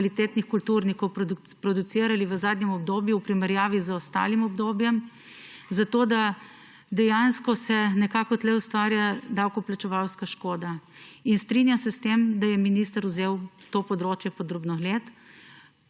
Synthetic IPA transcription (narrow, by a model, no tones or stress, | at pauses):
kalit̪eːt̪nixkult̪uɾnikɔwpɾpɾɔd̪ut̪siːɾaliʋəzaːd̪nɲɛmɔbd̪oːbjuwpɾimɛɾjaːʋizəɔst̪a̰ːlimɔbd̪objɛm | zat̪oːd̪a | d̪ɛjanskɔsɛnɛkaːkɔt̪lɛust̪ʋaːɾjad̪awkɔplat͡ʃɛʋawskaʃkoːd̪a | inst̪ɾinjamsɛst̪emd̪ajɛminist̪əɾuzewt̪opɔd̪ɾoːt͡ʃjɛpɔd̪ɾoːbnɔɣleːt̪